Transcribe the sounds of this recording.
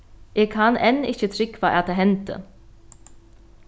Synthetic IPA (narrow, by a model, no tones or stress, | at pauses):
ʔeːɡkʰanʔɛnːɪ̰çət̪ʰɾɪkʋaʔat̪d̪ɛːɦɛnt̪ə̰